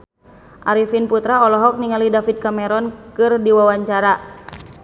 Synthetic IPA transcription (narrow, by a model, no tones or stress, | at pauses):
ʔaɾifinput̪ɾaɔlɔɦɔk̚niŋalidafid̪̚kamɛɾɔnkɨrdiwawaɲt͡ʃaɾa